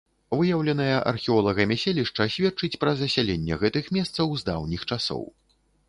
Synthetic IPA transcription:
vɨjɐwlʲɛnɐjɐʔɐ̰rxʲiɔlˠɐɣɐmʲɛsʲelʲiʂt͡ʂɐsʲvʲɛt̪̚t͡ʂɨt͡sʲpɾɐzɐsʲalʲenʲːɛɣɛt̪ɨxmʲɛst̪sɐwzd̪a̰wnʲixt͡ʂasɔ̰w

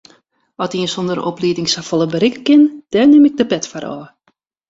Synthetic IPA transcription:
ɔtiənsondəɾo̰pliːtɪŋsafɔlˠəbəɾɪkəkɪnd̥ɛnɪmɪɡ̚dəpɛtfaɾɔ̰ː

